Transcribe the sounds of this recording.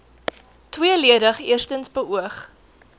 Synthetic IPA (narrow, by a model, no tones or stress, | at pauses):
twiəliədəχiərstənsbəʔuəχ